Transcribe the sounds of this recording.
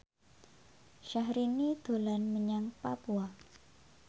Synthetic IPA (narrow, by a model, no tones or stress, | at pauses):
ʃahɾinid̪̥o̤lanməɲaŋpa̰pua